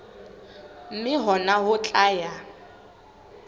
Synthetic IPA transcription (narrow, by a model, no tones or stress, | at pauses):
m̩mɪɦɔnaɦʊt͡ɬʼaːja